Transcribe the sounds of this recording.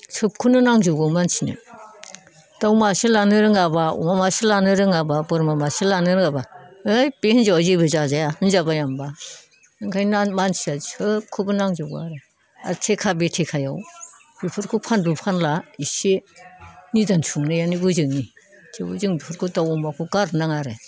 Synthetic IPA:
sʰɯp̚kʰunɯnaŋzɯɡamansʰinɯ̰ | d̥awmaselanɯɾɯŋabaṵmamasilanɯɾɯŋababɯɾmamaselanɯɾɯŋabaɯjbehnzawazebɯzazajaɯnzabajamba | ɯŋkʰajamansiaziɯkʰubɯnaŋzaɡua̰ɾe | a̰ɾtʰekʰabetʰekʰajaw | bipʰɯɾkʰupʰandupʰanlaise | nidansʰuŋnɯjaniɡuzɯŋni | tʰeṵzɯŋbipʰɯɾkʰudawumakʰuɡaɾnaŋaɾe

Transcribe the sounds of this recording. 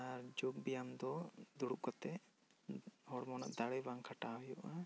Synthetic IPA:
aɾd͡ʒuɡ̚bijamd̪ɔd̪uɽuʔ̚kɔt̪ɛ | hɔɽmɔna̰ʔd̪aɽɛbaŋkʰaʈaɦɔjɔʔa

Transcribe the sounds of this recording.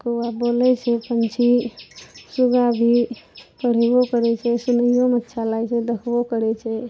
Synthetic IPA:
koabolɛt͡ʃʰɛpənt͡ʃʰi | suɡabʱipəɽ̤ebokəɾɛt͡ʃʰɛsunəjomət̪ːʃʰalajt͡ʃʰɛd̪əkʰbokəɾɛt͡ʃʰɛ

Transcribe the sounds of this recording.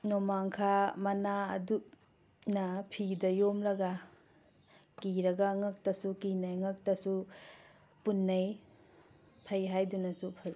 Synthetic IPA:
nomaŋkʰamɐna̰dup̚ | nɐpʰidɐjomlɐɡa | kiɾɐɡaŋak̚tɐsukinajŋak̚tɐsu | punːɐj | pʰajɦajdunɐsupʰaj

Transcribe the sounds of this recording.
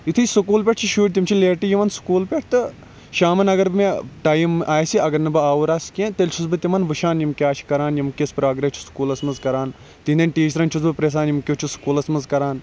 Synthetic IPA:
it̪ʰɨsɨkuːlpʲeʈ̚ʰt͡ʃʰiʃuːʈʲt̪ʲimt͡ʃʰileːʈijiʋɐnsu̥kuːlpʲeʈ̚ʰt̪ɨ | ʃaːmɐnɐɡɐɾmeʈaːjimʔaːjsiɐɡɐɾnɨbɨaːʋuɾaːskʲẽt̪elʲt͡ʃʰuzbɨt̪imɐnʋɨʃaːnjimkʲaːt͡ʃʰi̥kɐɾaːnjimkʲespɾaːɡɾet͡ʃʰu̥skuːlɐsmɐnzkɐɾaːn | t̪ind̪ɐnʈiːt͡ʃɐɾɐnt͡ʃʰuzbɨpɾeːs̬aːnjimkʲot͡ʃʰuskuːlɐsmɐzkɐɾaːn

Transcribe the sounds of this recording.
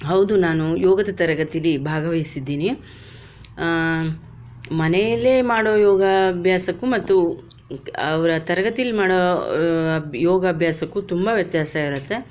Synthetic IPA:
ɦɐwd̪unaːnujɔːɡɐd̪ɐt̪ɐɾɐɡɐt̪ijɐlibʱaːɡɐʋɐjisid̪ːiːni | mɐnɛjɐlːeːmaːɽoːjɔːɡabʱjaːsɐkːumɐt̪ːu | ɐʋɐɾɐt̪ɐɾɐɡɐt̪ijɐlimaːɽoː | jɔːɡɐːbʱjaːsɐkːut̪umbɐʋjɐt̪jaːsaiɾɐt̪ːe̞

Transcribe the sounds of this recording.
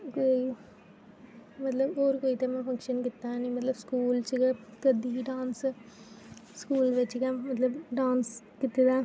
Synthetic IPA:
ke | mɐt̪lɐoɾɯkoit̪ɐmafɐŋkʂɐnkɪt̪ːãːnimɐt̪ɐlɐskuːlt͡ʃikːɐt̪ɐd̪iɖaːns | skuːlʋɐt͡ʃːɪkːɐmɐt̪lɐɖaːns | kɪt̪ːɯt̪ãː

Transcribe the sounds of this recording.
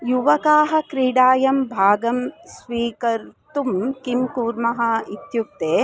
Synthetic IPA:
juʋɐkaːɦɐ̆kɾiːɽaːjɐmbʱaːɡɐmsʋiːkɐɾt̪umkimkuːɾmɐɦɐit̪juk̚t̪eː

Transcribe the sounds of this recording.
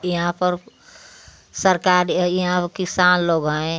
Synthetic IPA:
jɐɦãpəɾ | səɾkaɾjiɦãkɪsanloːɡɦəẽ

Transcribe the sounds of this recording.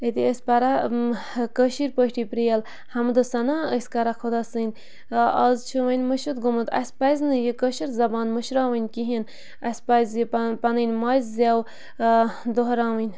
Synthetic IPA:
et̪iəsʲpɐɾa | kəʃiɾpəʃʈipɾijɐl | hɐmd̪ɨsɐnaəsʲkɐɾakʰod̪asɨnʲ | ɐzt͡ʃʰuwɐnʲməʃɨt̪̚ɡumɨt̪ɐ̰sʲpɐjznɨjekəʃiɾzɐbaːnməʃɾaːwɨnʲkiɦin | ɐsʲpɐjzjipɐnɨnʲmaːjzzʲjaːw | d̪oɦɾãːwɨnʲ

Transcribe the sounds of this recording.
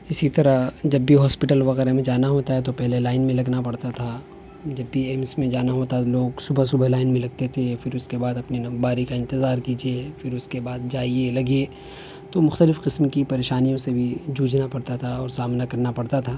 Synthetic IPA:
ɪsit̪ɐɾəd͡ʒɐbːiɦɔːspɪʈəlʋɐɣɛːɾemẽd͡ʒaːnaɦoːt̪aɦɛt̪opɛɦlelaːɪnmẽlɐɡnapɐɽt̪at̪ʰa | d͡ʒɐbːiɛːmsmẽd͡ʒaːnaɦoːt̪aloːɡsʊbʱəsʊbʱalaːɪnmẽlɐɡ̚t̪et̪ʰefɪɾʊskebaːd̪ɐpniɐbaːɾikaɪ̃nt̪ɪzaːɾkiːd͡ʒiefɪɾʊskebaːd̪̚d͡ʒaːielɐɡie | t̪omʊxt̪əlɪfqɪsmkipɐɾeːʃaːnijõsebʱid͡ʒuːd͡ʒʱnapɐɽt̪at̪ʰaɔːɾsaːmnakɐɾnapɐɽt̪at̪ʰaː

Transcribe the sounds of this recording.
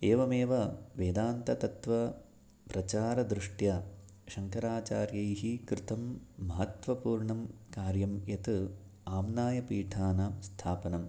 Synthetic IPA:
eːʋɐmeːʋɐʋeːd̪aːnt̪ɐt̪ɐt̪ʋɐ | pɾɐt͡ʃaːɾɐd̪ɾuʂʈjɐ | ʃɐŋkɐɾaːt͡ʃaːɾjɐjɦikɾɪt̪ɐmːɐɦɐt̪ʋɐpuːɾɳɐmkaːɾjɐmjɐt̪ɨ | aːmnaːjɐpiːʈʰaːnaːmst̪ʰaːpɐnɐm

